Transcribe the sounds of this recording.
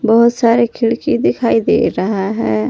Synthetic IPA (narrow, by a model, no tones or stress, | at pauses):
bɔɦʊt̪saːɾekʰɪɭkid̪ɪkʰaːid̪ḛːɾɐɦaɦɛː